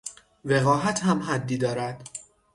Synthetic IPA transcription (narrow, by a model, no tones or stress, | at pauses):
ve̞ɣɒːɦæt̪ʰhæmɦæd̪ːiːd̪ɒːɾæd̪̥